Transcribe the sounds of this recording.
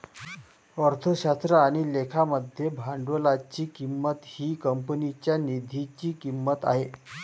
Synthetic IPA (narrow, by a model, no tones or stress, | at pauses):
əɾt̪ʰəɕast̪ɾəaɽ̃ilekʰaməd̪ʱjebʱaɳɖʋəlat͡ɕiːkimːət̪hiːkəmpənit͡ɕjanid̪ʱit͡ɕiːkimːət̪a̰ɦe